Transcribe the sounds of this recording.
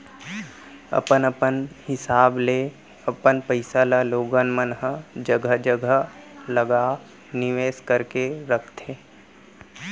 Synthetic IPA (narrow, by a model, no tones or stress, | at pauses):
ə̰pənəpənhɪsaːble | əpənpəɪsalaloːɡənmənɦəd͡ʒəɡʱəd͡ʒəɡʱələɡa | nɪʋeːskəɾkeɾəkʰt̪ʰeː